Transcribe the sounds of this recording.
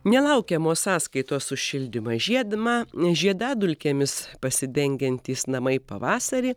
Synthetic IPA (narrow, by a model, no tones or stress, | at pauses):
nʲɛlˠɐʊkʲɛmoːssɑːskɐɪt̪oːssʊʃʲɪlʲd̪ʲɪmɑʒʲiɛd̪mɑːʒʲiɛd̪ɑːd̪ʊlʲkʲemʲɪspɐsʲɪd̪ʲɛŋʲɡʲɛnʲt̪ʲiːsnɐmɐɪpɐ̰ʋɑːsɐɾʲiː